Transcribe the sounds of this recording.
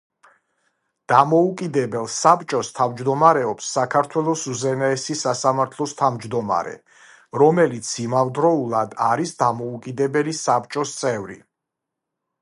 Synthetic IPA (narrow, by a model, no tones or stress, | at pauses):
d̪̥amɔukʼid̪ɛbɛlˠsapt͡ʃʼɔst̪ʰavmd͡ʒd̪ɔmaɾɛɔpsːakʰaɾt̪ʰwɛlˠɔsuzɛnaɛsisasamaɾt̪ʰlˠɔst̪ʰavmd͡ʒd̪ɔma̰ɾɛ̰ | ɾɔmɛlit̪sʰimavd̪ɾɔulˠad̪aɾisd̪amɔukʼid̪ɛbɛlisap̚t͡ʃʼɔst̪sʼɛvɾḭ